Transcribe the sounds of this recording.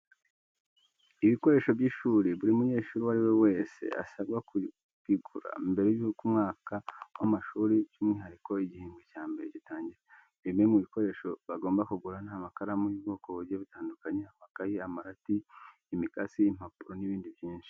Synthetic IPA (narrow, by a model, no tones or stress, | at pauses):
iβiko̞ɾe̞ːʃo̞vjiːʃuːɾiβuɾimuɲe̞ːʃuːɾiwaɾiwe̞we̞ːse̞̰a̰sabɡaku | β̥iɡuɾa̰imbe̞ɾekumŋaːkawamaʃuːɾit͡ʃumŋiːɦaɾiko̞iɟihiːŋɡecaːmbe̞ɾeɟitaːɲɟiɾa | βiimemuβiko̞ɾe̞ːʃo̞βaɡo̞ːmbakuɡuɾan̥haːmakaɾamujubɡo̞ːko̞βuɾɟeβitaːndukaɲeamakajiamaɾatiː | mikasiːm̥apuɾoniβiːndiβjiːnʃi̥